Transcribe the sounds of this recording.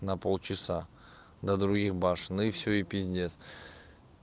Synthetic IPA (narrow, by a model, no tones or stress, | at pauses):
nɐpolˠt͡ʃɪsa | d̪ɐd̪ɾʊɡʲiχbɑʂɨnɨfsʲoipʲizʲd̪ʲes